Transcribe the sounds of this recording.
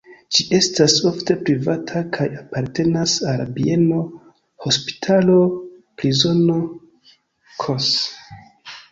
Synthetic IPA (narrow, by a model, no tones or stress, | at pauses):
d͡ʒiʔe̞staso̞fte̞pɾivatʰakʰajapaɾte̞nasalbie̞no̞ | ho̞spi̥tʰalo̞pɾizo̞no̞ | kʰos